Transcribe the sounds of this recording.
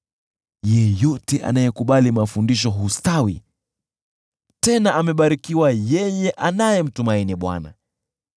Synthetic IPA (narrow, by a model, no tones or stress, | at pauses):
jɛjɔtɛʔa̰najɛkuɓalimafundiʃ̬ɔɦustawi | tɛnaʔamɛɓaɾikiwajɛjɛʔanajɛm̩tumainiɓwa̰na̰